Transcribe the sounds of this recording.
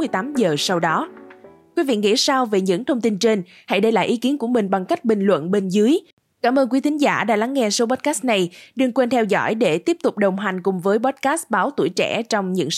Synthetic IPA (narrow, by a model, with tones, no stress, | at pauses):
ɨ˧əjt̪aː˨˦mzəː˨˩sa˧wɗɔ˨˦ | kwi˨˦vḭ˧˨ŋḭ˧˥saː˧wve˨˩ɲɨ̰˧˥ŋt̪ʰə˧wŋ͡mt̪i˧nt͡ɕe˧n | ha̰˧˥jɗə˧jla̰ː˧˨jʔi˨˦ki˨˦ənku˧˩əmï˨˩ŋ̟ɓa˨˩ŋka˦˥jk̟̚ɓï˨˩ŋ̟lwə̰˧˨nɓe˧nzɨ˨˦əj | kaː˧˩mʔəː˧nki˨˦t̪ʰï˨˦ŋ̟zaː˧˩ɗa̰ː˧˥la˨˦ŋːɛ˧so˨˦ɓɔ˨˦˥t̚kaː˦˥st̚na˨˩jɗɨ˧əŋkwe˧nt̪ʰɛ˧wzɔ̰˧˥jɗe˧˩t̪i˦˥əp̚t̪ʊ˨˩k͡p̚ɗə˨˩wŋ͡mɦa˨˩ŋ̟kʊ˨˩ŋ͡mvəː˨˦jɓɔ˦˥t̚kaː˦˥st̚ɓaː˨˦wt̪ṵ˧˩jt͡ɕɛ̰˧˩t͡ɕɔ˧wŋ͡mɲɨ̰˧˥ŋ